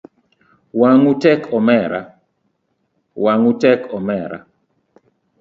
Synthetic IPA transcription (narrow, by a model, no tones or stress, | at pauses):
waŋutɛkʰɔmɛɾa̰ | waŋutɛkʰɔmɛɾa̰